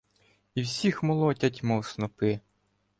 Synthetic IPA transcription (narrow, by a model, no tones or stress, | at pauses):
iwsʲixmɔlˠɔtʲɐtʲmɔwsnɔpɪ